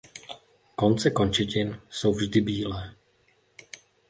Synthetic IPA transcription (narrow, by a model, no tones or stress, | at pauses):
ko̞nt͡sɛko̞nt͡ʃɪcɪnso̞wvʒdɪbiːlɛː